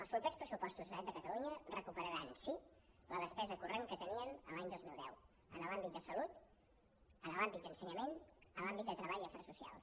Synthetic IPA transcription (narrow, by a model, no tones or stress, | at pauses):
əlˠspɾupespɾəsupɔst̪uzðəɛt̪̚d̪əkət̪əluɲərəkupəɾəɾansi | ləðəspɛzəkureŋkət̪əniənə̰laɲd̪ozmilˠd̪ɛ̰w | ənəlambit̪̚d̪əsəlut̪ | ənəlambit̪d̪ənsəɲəmenəlambit̪̚d̪ət̪ɾəβaʎiəfɛɾəsusia̰lˠs